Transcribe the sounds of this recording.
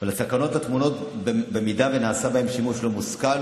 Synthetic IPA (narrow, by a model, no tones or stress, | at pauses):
valasakano̞t̪hat̪muno̞tbbemidavenaːsabahe̞mʃimuʃlomuskal